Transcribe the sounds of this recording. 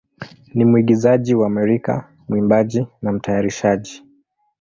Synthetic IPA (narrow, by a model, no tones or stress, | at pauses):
nimuiɠizaʄiwaːmɛɾika̰ | muimbaʄinam̩tajaɾiʃaʄi